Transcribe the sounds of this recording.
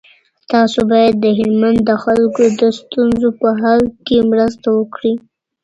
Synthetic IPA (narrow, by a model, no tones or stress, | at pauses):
t̪ɑsobɑjad̪ːəɦɪlmand̪ːəxalkod̪əst̪unzopəɦɑlkemɾəst̪awəkɽi